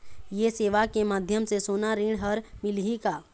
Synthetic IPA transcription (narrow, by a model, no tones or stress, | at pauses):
jeseːʋakemaːd̪ʱjəmsesoːnaɾiɽ̃ɦəɾmɪlɦikaː